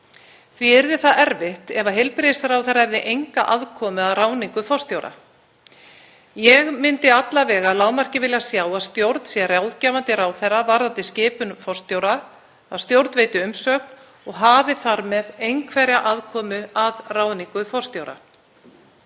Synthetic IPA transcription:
θviɛɾðɪθaðɛɾvɪht̪ɛvaɦejlpɾesaɾaːwθɛɾaɛvðɪʔejŋkaʔaðkʰɔːmʏaðraːwniŋkʏfɔr̥st̪jowɾa̰ | jɛɣmɪnt̪ɪat̪lavɛːɣaðlaːwmar̥cɪvɪljasjaːwaðst̪jowɾt̪sjɛrjawðcaːvant̪ɪɾaːwθɛravaɾðat̪ɪscɪːpʏnfɔr̥st̪jowɾa | aðst̪jowɾt̪veːjt̪ɪʏmsœk̚n | ɔɣɦaːvɪθaɾmɛðejŋkʰvɛɾjaʔaðkʰɔːmʏaðraːwniŋkʏfɔr̥st̪jowɾa̰

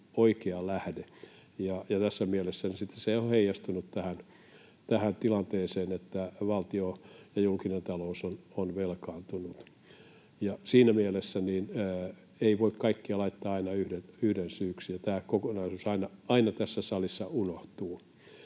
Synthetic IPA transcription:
oikeɑlæhde | jɑjɑt̪æsːæmielesːænisit̪ːe̥seioheijɑst̪unut̪t̪æhæn | t̪æhænt̪ilɑnt̪eːseːnet̪ːæʋɑlt̪iojɑjulkinent̪ɑlousononʋelkɑːnt̪unut̪ | jɑsiːnæmielesːæniːnː | eiʋoikkɑikːiɑlɑit̪ːɑːɑinɑyhdenyhdensyːksijɑt̪æːkokonɑisuːsɑinɑɑinɑt̪æsːæsɑlisːɑʔunoht̪uː

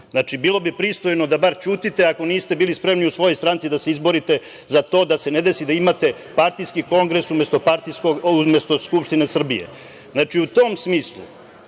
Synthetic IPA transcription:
zat͡ʃibiːlˠo̞bipɾist̪o̞jnod̪abaɾt͡ʃuːt̪it̪e̞ako̞niːst̪e̞biːlispɾe̞mniusʋo̞jost̪ɾant̪sid̪aseizbo̞ɾit̪e̞ | zat̪o̞ːd̪ase̞ne̞d̪e̞sid̪aimat̪e̞ | paɾt̪iskiko̞ŋɡɾe̞sumest̪o̞paɾt̪iskoumest̪o̞skupʃt̪ine̞sr̩bijḛ | znat͡ʃiut̪o̞msmiːslˠṵ

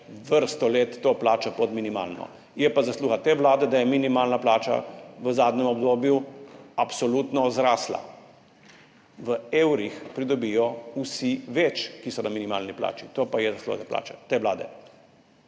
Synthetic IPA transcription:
ʋəɾst̪ɔleːt̪ːoːplaːt͡ʃapɔt̪minima̰ːlnɔ̰ | jɛpazasluːxat̪eːʋlaːd̪ɛd̪ajɛminimaːlnaplaːt͡ʃa̰ʋəzaːd̪nɛmɔbd̪oːbjuapsɔlut̪nɔzɾaːsla̰ | ʋəeːwɾixpɾid̪ɔbiːjɔusiʋet͡ʃkisɔnaminima̰ːlnipla̰ːt͡ʃit̪oːpajɛzaslṵxa̰t̪apla̰ːt͡ʃat̪eːʋlaːd̪ɛ̰

